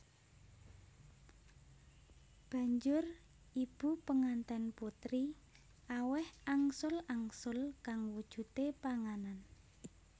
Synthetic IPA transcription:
b̥a̤ɲd͡ʒʊr | ib̥ṳpəŋant̪ɛnput̪ɾi | ʔawɛhaŋsʊlaŋsʊlkaŋwud̥ʒ̥ṳt̪epaŋanan

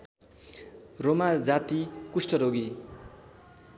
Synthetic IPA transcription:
romad͡zat̪ikusʈʌɾoɡi

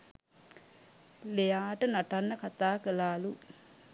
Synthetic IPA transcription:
lejaːʈənaʈanːəkat̪aːkəlaːlu

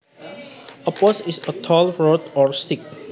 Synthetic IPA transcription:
əposisətʰɔlɹodɔɹstik̚

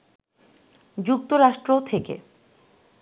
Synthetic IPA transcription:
d͡ʑuk̚t̪oɾaʃʈɾot̪ʰekḛ

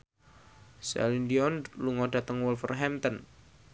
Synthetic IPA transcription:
sɛ̰lindiɔnluŋɔda̤t̪əŋwɔlfərɦɛmt̪ən

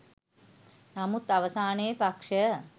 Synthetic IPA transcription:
namut̪aʋəsaːnejpakʂə

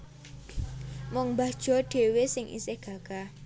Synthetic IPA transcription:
mʊŋmbad̥ʒ̥ɔ̤ɖ̥e̤wesɪŋʔḭsehɡ̥a̤ɡ̥a

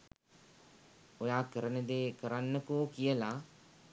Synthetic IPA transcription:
ojaːkəɾənəd̪eːkəɾanːəkoːkijəla

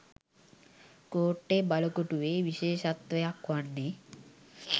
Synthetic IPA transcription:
koːʈːebɐlɐkoʈuʋeʋiʃeːʃɐt̪ʋɐjakʋaɳːe

